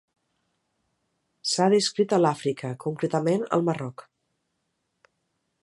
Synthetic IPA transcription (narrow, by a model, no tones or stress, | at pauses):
saðiskɾit̪əlafɾikʰəkuŋkɾet̪əmenə̰lˠmərɔk